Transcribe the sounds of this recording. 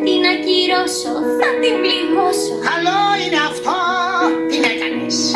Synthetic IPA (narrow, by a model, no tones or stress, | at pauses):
inɐciɾosonɐt̪ivlimosoɐloineɐft̪o | inekɐnis